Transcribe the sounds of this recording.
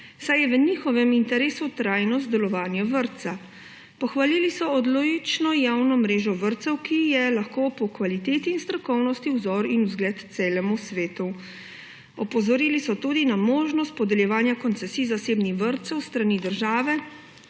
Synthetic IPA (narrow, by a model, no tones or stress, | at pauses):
sajɛʋəniːxɔʋɛmint̪ɛɾeːsut̪ɾajnɔzd̪ɛlɔʋaːnjɔʋəɾt̪sa | pɔxʋalilisɔɔd̪loɡit͡ʃnɔjawnɔmɾeːʒɔʋəɾt̪sɛwkijɛlaxkoːpɔkʋalit̪eːt̪iːnst̪ɾɔkɔwnɔst̪iwzɔːɾinuzɡlɛːt̪t̪seːlɛmusʋeːt̪u | ɔpɔzɔɾiːlisɔt̪uːd̪inamoːʒnɔst̪̚pɔd̪ɛljɛʋaːnjakɔnsɛsiːzaseːbnixʋəɾt̪sɛwst̪ɾaniːd̪əɾʒaːʋɛ